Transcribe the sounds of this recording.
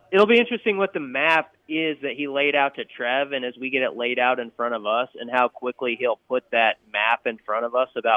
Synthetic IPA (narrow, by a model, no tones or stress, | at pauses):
ɨɾl̩ˠbiɪ̃nt͡ʃɹ̥ɨstɪ̃ŋwʌt̪̚ðɨmæp | ɪzðɨt̚ɦileɪɾaʊtʰɨtʰɹ̥ɛvɨ̃nɨzwiɡɛɾɨʔˡleɪɾaʊɾɨ̃nfɹʌ̃ɾ̃ʌvʌsɨ̰̃nhaʊkʰw̥ɪklihilˠpʰʊt̪̚ðɨt̚mæpɨ̃nfɹʌ̃ɾ̃ʌvʌsəbaʊ